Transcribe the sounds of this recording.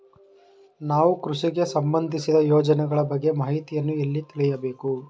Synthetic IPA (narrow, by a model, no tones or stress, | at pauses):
naːʋukɾuʂiɡe̞sɐmbɐnd̪ʱisid̪ɐjoːd͡ʒɐnɛɡɐɭɐbɐɡːe̞maːɦit̪ijɐnːuelːit̪iɭɛjɐbe̞ːku